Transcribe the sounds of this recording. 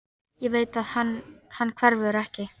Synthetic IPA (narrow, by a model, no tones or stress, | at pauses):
jɛveːjt̪aðhanhanːkʰvɛɾvʏðɾɛhcɪ